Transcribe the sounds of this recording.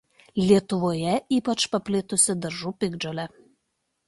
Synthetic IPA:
lʲiɛt̪ʊʋojɛiːpɐt͡ʃpɐpʲlʲɪt̪ʊsʲɪd̪ɐɾʒupʲɪɡd͡ʒolʲɛ

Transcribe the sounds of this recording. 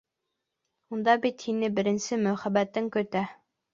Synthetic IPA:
und̪ɑbit̪hinɘbɘ̆ɾɘ̆nsɘmɵχæbæt̪ɘŋkɵ̆t̪æ

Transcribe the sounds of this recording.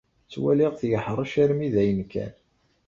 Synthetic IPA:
t͡sːwæliʁθjəħɾˤɑʃæɾmiðæjənkæ̰n

